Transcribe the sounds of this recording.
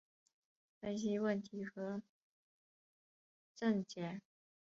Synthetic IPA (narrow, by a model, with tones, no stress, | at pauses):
fə˥nɕ̬i˥wə˥˩nt̪ʰi˧˥xɤ˧˥ | ʈ͡ʂə˥˩ŋt͡ɕjɛ˨˩˦n